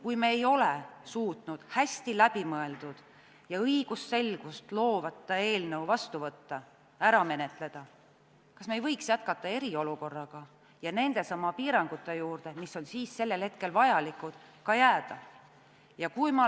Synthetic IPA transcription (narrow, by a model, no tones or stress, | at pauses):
kujmeːjo̞le̞suːt̪nud̪̥hæsʲt̪ilæb̥imɤe̞ld̪ud̪̥ | jɑɤjɡ̥usːe̞lɡ̥ust̪lo̞ːvɑt̪ːˑɑe̞ːlnəwvɑst̪uvɤt̪ːɑ | æɾɑme̞ne̞t̪ˑle̞d̪̥ɑ | kɑsmejvɤjksjæt̪̚kɑt̪ːˑɑe̞ɾio̞luko̞rːɑɡ̥ɑ | jɑne̞nd̪̥e̞sɑmːɑpiːɾɑŋɡ̥ut̪ːˑe̞juːrd̪̥e̞misːo̞nsiːsːe̞lːe̞lhe̞t̪̚ke̞lvɑjɑlikˑud̪̥kɑjæːd̪̥ɑ | jɑkujmɑ